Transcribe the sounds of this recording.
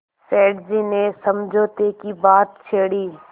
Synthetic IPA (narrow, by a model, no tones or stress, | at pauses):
sɛːɖd͡ʒinesɐmd͡ʒʱoːt̪ekibaːt̪̚t͡ʃʰeːɽiː